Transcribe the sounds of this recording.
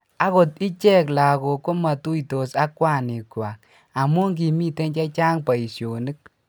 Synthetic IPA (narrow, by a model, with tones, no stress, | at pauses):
a˦ko˨ti˦t͡ʃɛ˦kla˨ko˨ko˦ma˨tu˦ito˨sa˦kːwa˦˨ni˨kwa˨k̚ | a˨mu˦ŋki˨mi˦te˦nt͡ʃɛ˦t͡ʃa˦ŋpa˨i˨sjo˨ni˦k̚